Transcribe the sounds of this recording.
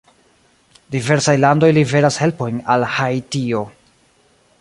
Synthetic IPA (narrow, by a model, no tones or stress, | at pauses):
dive̞ɾsajlando̞jlive̞ɾashe̞lpo̞jnalhajtio̞